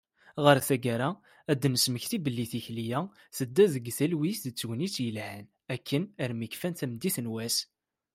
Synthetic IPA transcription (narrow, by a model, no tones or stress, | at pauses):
ʁəɾθæɡæɾæ | æd̪ːnəsməçθibəlːiθiçlijæ | θəd̪ːæðəɡθælwisðət͡sːwnit͡sːjəlhən | ækːənəɾmikfænt̪æmd̪iθnwæs